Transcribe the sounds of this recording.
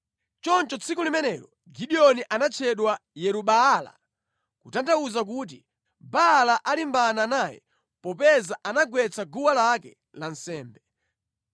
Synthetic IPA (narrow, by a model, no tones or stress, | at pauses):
t͡ʃɔnt͡ʃɔt͡sʰikulimɛnɛɾɔ | ɡiɗiɔniʔanat͡ʃʰɛɗwajɛɾuɓaːla̰ | kutandauzak̬uːt̬i | balaʔalimbananaːjɛ̰ | pɔpɛzaʔanaɡwɛt͡sʰaɡuwalakɛ̰ | lansɛːmbɛ